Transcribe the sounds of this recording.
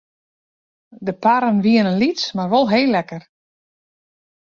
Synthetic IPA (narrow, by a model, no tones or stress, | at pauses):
dəpaɾənʋiənənlismarʋolˠɦeːlːɛkər